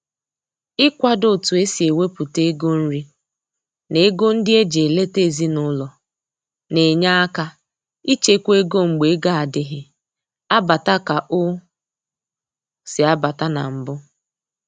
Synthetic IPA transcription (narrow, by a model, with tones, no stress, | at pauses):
ɪ˦kʷa˦do˦˨tu˨e˦si˨e˨we˦pʊ˨te˦ɡo˦n̩˦ɾi˦ | ne˨e˦ɡo˦n̩˦dɪ˦e˦d͡ʒe˨le˦te˦˨zi˦nʊ˦lɔ˨ | ne˨ɲa˦a˦ka˦ | i˦t͡ʃe˦kʷe˦ɡo˦ŋ͡m̩˨ɡ͡be˨˦ɡa˦a˨dɪ˨ɦɪ˨ | a˦ba˨ta˦ka˨ʔʊ˦ | sɪ˨a˦ba˨ta˦na̰˨m̩˨bʊ˦